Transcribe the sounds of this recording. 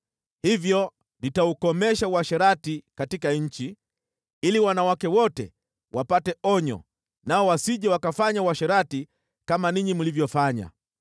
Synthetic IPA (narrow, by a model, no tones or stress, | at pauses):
hivjɔ | nitaukɔmɛʃauwaʃɛɾatikatikaɲ̩t͡ʃi | iliwanawakɛwɔtɛ̰ | wʔapatɛɔɲɔ̰ | naɔwasiʄɛwakafaɲawaʃɛɾati | kamaniɲimulivjɔfaɲa̰